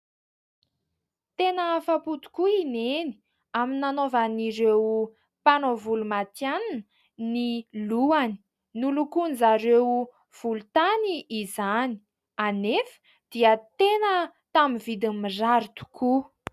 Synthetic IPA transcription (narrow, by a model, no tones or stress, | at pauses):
t̪enəfaput̪u̥kuineni̥ | aminanovaniɾew | panovulumat̪jannə | niluani̥ | nulukunzaɾew | v̥ulut̪aniʔːzani̥ | anefə̥ | d̪̥iət̪enə | t̪amivid̪imizaɾit̪u̥ku